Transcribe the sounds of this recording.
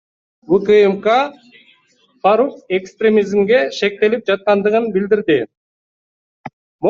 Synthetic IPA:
wukɨemkɑ | fɑɾukekst̪rʲemʲizmɡe̞ʃe̞k̚t̪e̞lip̚d͡ʒɑt̪̚qɑnd̪ɯʁɯnbild̪iɾd̪ɪ | m

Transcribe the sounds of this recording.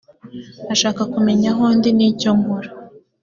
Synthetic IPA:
aʃaːkakume̞ɲaɦoːndinicoŋɡuɾa

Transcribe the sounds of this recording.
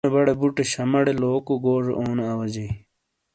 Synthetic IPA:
ebɐɽebuʈeɕɐmɐɽeloːkuɡoːʐḛʔoːnɐɐwɐd͡ʑej

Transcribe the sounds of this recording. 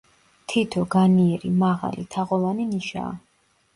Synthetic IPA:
t̪ʰit̪ʰɔɡaniɛɾimaʁa̰lḭt̪ʰaʁɔvaniniʃa̰ː

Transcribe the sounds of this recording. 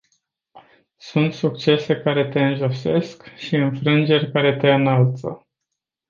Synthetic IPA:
sunt̪sukt͡ʃe̞se̞kaɾe̞t̪e̞ɨnʒo̞se̞skʃiɨnfɾɨnd͡ʒe̞rʲkaɾe̞t̪e̞ɨnalt̪sə̰

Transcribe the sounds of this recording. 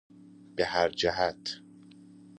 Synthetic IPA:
b̥ehæɾd͡ʒæɦæt̪ʰ

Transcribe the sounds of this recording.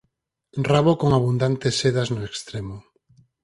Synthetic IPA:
raβokoŋaβund̪ant̪esːeðaznoekst̪ɾemʊ

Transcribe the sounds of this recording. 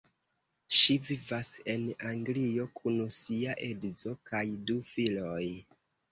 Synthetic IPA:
ʃivivase̞naŋɡlio̞kʰunusiaʔe̞dzo̞kajdufiloj

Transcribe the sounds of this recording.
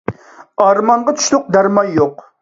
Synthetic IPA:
ɑɾmɑɴʁɑt̪ʰy̥ʃlˠʊq̚d̪æɾmɑjjoq

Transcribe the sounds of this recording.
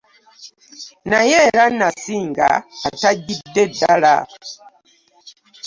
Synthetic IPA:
najeɾanasiːŋɡa̰ːtaɟidːedːala̰

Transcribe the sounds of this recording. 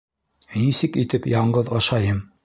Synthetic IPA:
nisɘkit̪ɘpjɑɴɢɤðɑʃɑjɤm

